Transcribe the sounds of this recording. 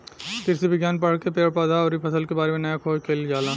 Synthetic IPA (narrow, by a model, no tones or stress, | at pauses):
k̪ɪɾsibɪɡjaːnpɐɽ̤kepeːɾpaːd̪aɔːɾipʰɐsəlkebaːɾemẽnɐjakʰoːd͡ʒkʰeːld͡ʒaːlaː